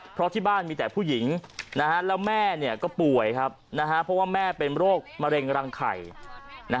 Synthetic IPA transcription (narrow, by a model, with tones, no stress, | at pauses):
pʰɾɔ˦˥t̪ʰiː˥˩baː˥˩nmiː˧t̪ɛː˨˩pʰuː˥˩ji˩˦ŋna˦˥kʰa˦˥lɛː˦˥wmɛː˥˩ni˥˩ɐkɔː˥˩pu˨˩əjkʰa˦˥p̚na˦˥kʰa˦˥pʰɾɔ˦˥waː˥˩mɛː˥˩pe˧nɾoː˥˩k̚ma˧ɾe˧ŋɾaː˧ŋkʰa̰˨˩jna˦˥